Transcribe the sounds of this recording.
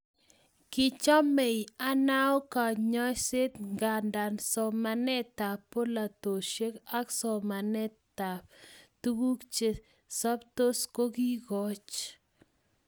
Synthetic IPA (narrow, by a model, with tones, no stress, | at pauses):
kɪ˨t͡ʃɔ˦me˨ja˦na˦o˦ka˨ɲɔ˦se˦t̪ŋɡa˨nda˨nsɔ˨ma˨nɛ˦ta˨pːo˦la˨t̪o˨ʃe˦ka˦ksɔ˨ma˨nɛ˦ta˨p̚tu˦ɡu˦kt͡ʃe˨ | sa˦pt̪o˦sko˦ki˦kɔ˨˦t͡ʃ